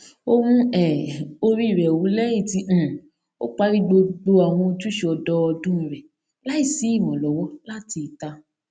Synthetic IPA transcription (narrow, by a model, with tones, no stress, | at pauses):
o˧ɾ̃ũ˧ɛ˨o˧ɾi˦˨ɾɛ˨o˨wu˨˦lɛ˦i˦˨tĩ˧˨ | o̰˦k͡pa˦ɾi˦ɡ͡bo˧ɡ͡bo˧a˨w̃ɔ̃˧o˧tu˦ʃe˧ɔ˧dɔ˧ɔ˧dũ˦ĩ˨ɾɛ˨ | la˦i˦˨si˨˦i˦˨w̃ɔ̃˨lɔ˨˦wɔ˦la˦ti˧i˨ta˧